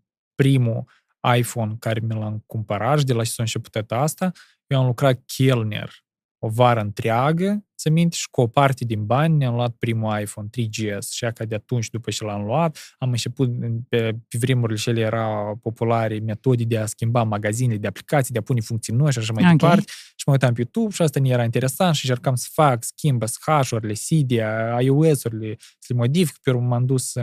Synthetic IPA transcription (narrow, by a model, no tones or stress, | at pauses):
pɾimu | ajfo̞nkaɾemilaŋkumpəɾat̪ʃ̬id̪elat͡ʃe̥saɨnt͡ʃe̞pu̥t̪at̪ast̪a | jewamlukɾat̪̚kʲʰelnḛr | o̞vaɾəɨnt̪ɾeaɡəsəmint̪ʃi̥kuopart̪e̞d̪inbanʲneamluat̪̚pɾimuajfont̪ɾid͡ʒiesʃiakad̪eat̪unt͡ʃʲd̪upət͡ʃelamluat̪amɨnt͡ʃe̞put̪pepʲevɾemuɾʲilʲet͡ʃelʲejeɾʔawpo̞pulaɾʲeme̞t̪o̞d̪ikd̪easkʲimbamaɡazinelʲed̪eapli̥kat̪sijd̪eapunʲefuŋk̚tsijnojʃ̬aʃ̬amajd̪epart̪eʃi̥majut̪ampʲejut̪ubʃiast̪anejeɾaint̪e̞ɾe̞sanʃiɨnt͡ʃe̞rkamsə̥fakskʲimbəsxaʃuɾʲilʲesʲid̪iaajoesuɾʲilʲesəlemo̞d̪ifi̥kə̥pemamd̪us